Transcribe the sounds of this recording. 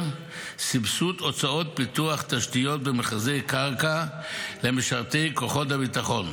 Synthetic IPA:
sibsuto̞t͡sao̞t̚bit̪uaχt̪aʃtijo̞tbemeχazejkaʁkale̞miʃaʁt̪e̞jko̞χo̞t̬abitaχo̞n

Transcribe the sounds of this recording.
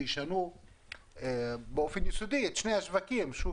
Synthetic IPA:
iʃanu | bofinjisud̪it̪ʃneaʃvakimʃu

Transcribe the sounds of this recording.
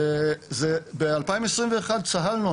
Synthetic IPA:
zebealpaĩmesʁimveːχad̪̚t͡saɦalnu

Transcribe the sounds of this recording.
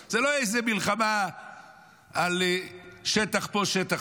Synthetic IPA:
z̥eloejzemilχama | alʃet̪aχpoʃet̪aχ

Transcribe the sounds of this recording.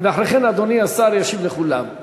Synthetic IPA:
veaħɾeχenad̪oniasaɾjaʃivleχula̰m

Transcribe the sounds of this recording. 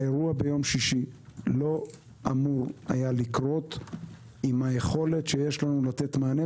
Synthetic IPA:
eʁuabe̞jo̞mʃiʃilo̞ | amuʁajalikʁo̞t | imhaje̞χo̞le̞tʃejeʃlanulat̪et̪maːne

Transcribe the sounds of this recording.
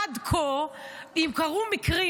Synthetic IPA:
ad̪kʰoimkaʁumikʁi

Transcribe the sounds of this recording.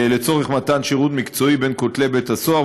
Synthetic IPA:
let͡so̞ʁeχmat̪anʃiʁut̪mikt͡so̞ibe̞nkot̪le̞be̞t̪asoa

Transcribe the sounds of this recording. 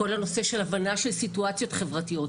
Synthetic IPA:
o̞lhano̞se̞ʃe̞lavanaʃelsituat͡sjo̞tχe̞vʁatijo̞

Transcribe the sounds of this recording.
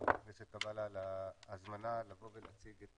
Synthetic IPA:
nesetkabalalaːzmanalavo̞velat͡siɡe

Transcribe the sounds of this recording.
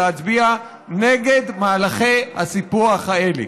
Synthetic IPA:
eat͡sbia | neɡed̪maːlaχejhasipuaχhaelḛ

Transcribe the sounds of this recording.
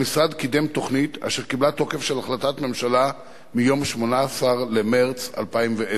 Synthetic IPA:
misʁad̪kid̪emt̪o̞χnita̰ʃeʁkiblat̪o̞ke̞fʃe̞laχlat̪atme̞mʃala | mijo̞mʃmo̞naːsaʁlemeʁt͡sa̰lpaimvee

